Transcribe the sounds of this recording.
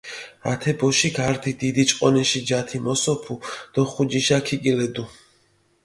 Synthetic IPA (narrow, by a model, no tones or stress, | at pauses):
a̰t̪ʰɛbɔʃiɡaɾd̪ʰid̪id̪it͡ʃʼqʼɔnɛʃid͡ʒat̪ʰimɔsɔpʰud̪̥ɔχud͡ʒiʃakʰikʼilɛd̪u